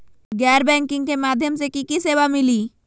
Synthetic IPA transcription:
ɡɛɾbɛŋkiŋkemad̪ʱjomsekikisebamili

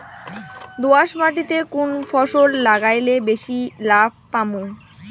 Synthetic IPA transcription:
d̪oaʃmaʈit̪ekunfʰɔʃoɾlaɡajlebeʃilab̚ʱpamu

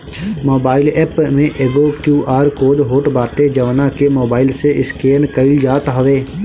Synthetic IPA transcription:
moːbaːɪlɛːpmẽʔeːɡokjuːʔaːɾkoːɖɦoːʈbaːt̪ed͡ʒɐʋnakemoːbaːɪlseɪskeːnkəɪld͡ʒaːt̪ɦɐʋeː

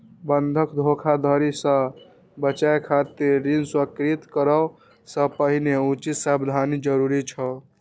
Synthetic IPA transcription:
bənd̪ʱəkd̪ʱokʰad̪ʱəɾisə̃ | bət͡ʃaekʰat̪iɾːinswəkɾit̪kəɾə | sə̃pəɦineut͡ʃit̪sabd̪ʱanid͡ʒəɾuɾit͡ʃʰə

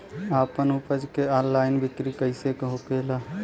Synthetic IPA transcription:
aːpənʊpəd͡ʒkeɔːnlaːɪnbɪkɾikəɪsekɦokeːlaː

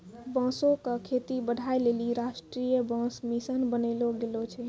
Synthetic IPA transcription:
bə̃sõkəkʰet̪ibəɖʱajleliɾasʈɾijəbə̃smisənbənəloɡelot͡ʃʰɛ

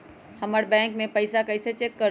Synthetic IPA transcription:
həməɾbɛ̃ːŋkmẽpəɪsakəɪset͡ʃekːəɾ

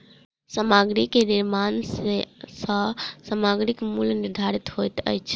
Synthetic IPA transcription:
səmaɡɾikeniɾmansesəsəmaɡɾikmulniɾd̪ʱaɾit̪ɦojt̪ə̰jt͡ʃʰ

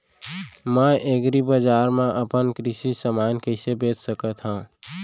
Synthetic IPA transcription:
mə̃ʔeɡɾibəd͡ʒaːɾmẽʔəpənkɾɪsisəmaːnkəɪsebeːt̪səkət̪ɦãː

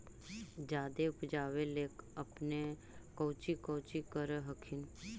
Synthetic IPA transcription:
d͡ʒaːd̪eʊpd͡ʒaːʋeleːkəpne | kəːt͡ʃikəːt͡ʃikəɾeɦəkʰɪn

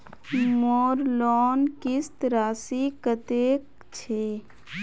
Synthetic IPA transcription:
moːɾlɔːnkist̪ɾaːsikət̪ek | t͡ʃʰe

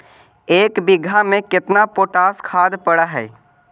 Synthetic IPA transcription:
eːkbɪɡʱamẽkɪt̪napoːʈaːskʰaːd̪pəɽaɦɛ̰ː

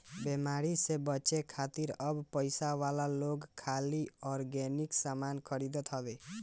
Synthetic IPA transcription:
bemaɾisebət͡ʃekʰat̪iɾəbpəjsawalaloɡkʰaliɔɾɡeniksamankʰəɾid̪ɔt̪ʰɦəbe

